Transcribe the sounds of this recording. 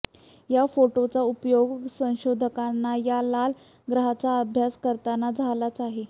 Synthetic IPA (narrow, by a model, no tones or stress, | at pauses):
jafoʈot͡saupjoɡsə̃w̃ɕod̪ʱəkanːajalal | ɡɾəɦat͡saəbʱjaskəɾt̪anad͡zʱalat͡saɦe